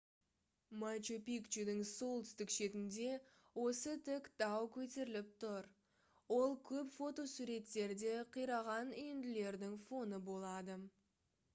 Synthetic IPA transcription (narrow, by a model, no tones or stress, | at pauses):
mat͡ʃopijkt͡ʃud̪ɪŋso̞lˠt̪ʰʏst̪ɪkʃe̞t̪ɪnd̪e̞ | wo̞sət̪ʰɪkd̪̥ɑwkʲʰɵt̪e̞ɾɪlɪp̚t̪ʰʊɾ | wo̞lˠkʲʰɵpfo̞t̪o̞suɾe̞t̪ːe̞ɾd̪e̞qʰijɾɑʁɑnʏjɪnd̪ɪle̞ɾd̪ɪŋfo̞nəbo̞lˠɑd̪ə